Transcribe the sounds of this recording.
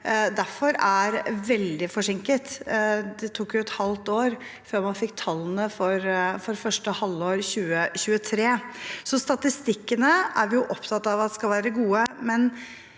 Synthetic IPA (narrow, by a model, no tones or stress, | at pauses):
d̪æɾfɔɾæɾʋɛld̪ɪfɔʂɪŋkət̪d̪ɛt̪ʰuːkjʊɛt̪hɑlt̪oːɾ | føːɾmɑnfɪk̚ːt̪ʰɑlːənəfɔɾfɔɾfœʂʈəhɑlːoːɾçʉːəçʉːət̪ʰɾeːsɔst̪ɑt̪ɪst̪ɪkːənəæɾjʊʔɔpt̪ʰɑt̪ːɑʋɑt̪ːɛskɑlʋæːɾəəɡuːəmɛn